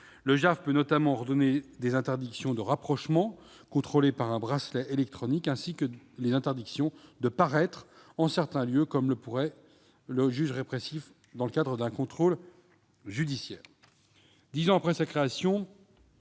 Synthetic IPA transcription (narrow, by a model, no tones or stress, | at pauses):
ləʒafpønɔt̪amɑ̃ʁd̪ɔned̪ezɛ̃t̪ɛʁd̪iksjɔ̃d̪əʁapχɔʃmɑ̃ | kɔ̃t̪χolepaʁɛ̃bʁaslɛʔelɛk̚t̪χɔnikɛ̃sikəlezɛ̃t̪ɛʁd̪iksjɔ̃d̪əpaʁɛt̪χ | ɑ̃sɛʁt̪ɛ̃ljøkɔmləpuʁɛ | ləʒyʒʁepχesif | d̪ɑ̃ləkad̪ʁəd̪ɛ̃kɔ̃t̪χol | ʒyd̪isjɛːʁ | d̪izɑ̃apχɛsakχeasjɔ̃